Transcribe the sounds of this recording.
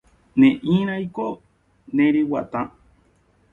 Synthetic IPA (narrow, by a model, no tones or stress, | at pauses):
nẽʔĩɾ̃ãjko | nẽɾiwat̪ã